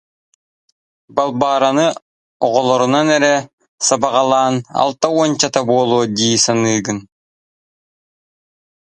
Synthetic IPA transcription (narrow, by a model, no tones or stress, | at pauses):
balˠbaːɾanɯ | ɔʁɔlˠɔɾunanɛɾɛ | sabaʁalˠaːna̰lˠt̪auɔnt͡ɕat̪abuɔlˠuːd̪iːsanɯːɡɯn